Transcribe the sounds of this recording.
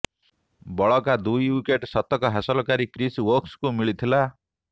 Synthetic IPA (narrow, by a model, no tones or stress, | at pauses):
bɔɭɔkad̪ujwikeʈsɔt̪ɔkɔɦasɔlɔkaɾikɾiswokskumiɭit̪ʰila